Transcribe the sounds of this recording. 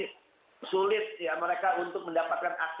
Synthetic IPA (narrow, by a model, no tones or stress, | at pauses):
sulɪt̪̚jaməɾekaunt̪ʊk̚məndapat̪̚kanak̚t